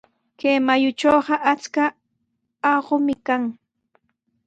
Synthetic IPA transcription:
keːmajʊt͡ʃoːɢɑʔat͡ska | ɑɢʊmɪkaŋ

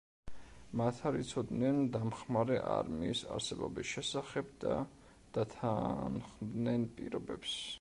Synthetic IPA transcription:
mat̪ʰaɾit̪sʰɔd̪nɛnd̪amχmaɾɛʔa̰ɾmiːsa̰ɾsɛbɔbisʃɛsaχɛbd̪a | d̪̥at̪ʰanχmd̪nɛnpʼiɾɔbɛps

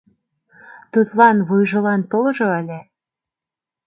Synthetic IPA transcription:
t̪ut̪lɑnβujʒɤ̆lɑnt̪olɤ̆ʒoælʲe

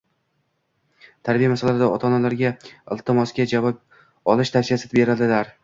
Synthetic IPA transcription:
t̪ʰaɾbijamasalaɪd̪aɒt̪ʰɒnalaɾɡʲaɪlˠt̪ʰɪmɒsɡʲad͡ʒavɒp | ɒlɪʃt̪ʰafsijasɪbe̞ɾɪld̪ɪlaɾ

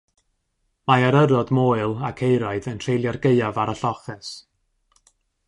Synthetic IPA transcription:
maaɾəɾɔdmoːɨlˠakʰejɾɔɨðəntʰrejlˠjarɡeɨavaɾaɬɔχɛs

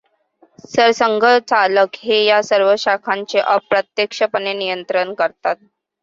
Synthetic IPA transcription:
səɾsəŋɡʱət͡saləkɦejasəɾʋəɕakʰãɲt͡seʔəpɾət̪jekʂəpənenijənt̪ɾənkəɾt̪at̪̚

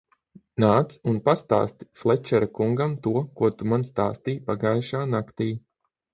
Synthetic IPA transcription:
naːt̪sunpast̪a̰ːst̪i̥flˠɛt͡ʃɛɾakuŋɡamt̪uɔkuɔt̪umanst̪a̰ːst̪iːpaɡajʃaːnakt̪iː

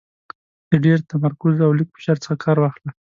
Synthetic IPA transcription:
d̪̥əɖeɾt̪amaɾkʊzawlik̚pɪ̥ʃaɾt͡sə̥xakʰɑɾwɑxla

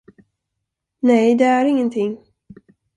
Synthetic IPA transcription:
nɛjd̪ɛæɾɪŋːənt̪ʰɪŋː

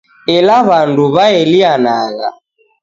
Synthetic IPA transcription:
ɛlaβanduβaɛlianaɣa̰

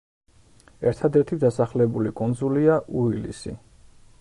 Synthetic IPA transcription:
ɛɾt̪ʰad̪ɛɾt̪ʰid̪asaχlɛbulikʼund̪zuliaʔuilḭsḭ

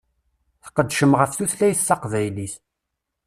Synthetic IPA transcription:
θqəd̪ːʃəmʁəfθuθlæjθθɑqvæjliθ

